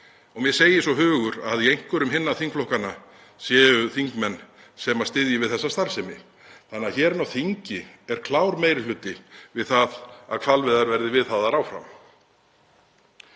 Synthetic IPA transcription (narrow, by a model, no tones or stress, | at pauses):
ɔmjɛseːjɪsɔɦʏːɣʏɾaðiejŋ̥kʏɾʏmɦɪnːaθiŋkflɔhkana | sjɛːʏθiŋkmɛnː | sɛmast̪ɪðjɪvɪðθɛsːast̪aɾ̥sɛmɪ̰ | θanːaçɛːɾnawθiɲcɪ | ɛɾ̥kʰlaːwɾmejɾɪlʏːt̪ɪvɪðθaða̰ðkʰv̥alvɪðaɾvɛɾðɪvɪðθaðaɾaːwfɾa̰m